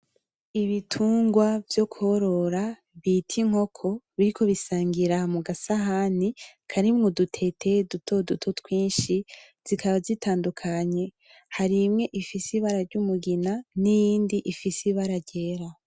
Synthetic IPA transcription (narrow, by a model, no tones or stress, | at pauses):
iβitʰuːŋɡwavjo̞kuho̞ɾo̞ɾa | βitʰiŋ̥ho̞kʰo̞βiɾiko̞βisaːŋɡiɾamuɡasaɦanikʰaɾimŋo̞dutʰe̞tʰe̞dutʰo̞dutʰo̞twiːnʃi | z̥ikaβazitaːndukʰaɲe̞ | haɾimŋe̞ʔifisiβaɾaɾɟumuɡinanijiːndiʔifisiβaɾaɾɟeːɾa